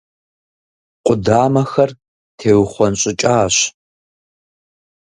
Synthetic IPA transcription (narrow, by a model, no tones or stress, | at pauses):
qʷʊdaːmɐxɐr | tʰeːwχʷɔnɕʼɪt͡ʃʼaːɕ